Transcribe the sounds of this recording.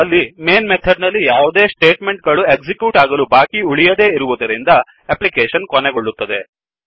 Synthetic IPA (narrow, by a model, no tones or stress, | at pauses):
ɐlːimeːnmet̪ʰɐɖnɐlːijaːʋud̪e̞ːsʈe̞ːʈmeɳʈ̚ɡɐɭuekd͡ʒikjuːʈaːɡɐlubaːkiuɭijɐd̪e̞ːiɾuʋud̪ɐɾind̪ɐ | eplikeːʃɐnkɔneɡoɭːut̪ːɐd̪e̞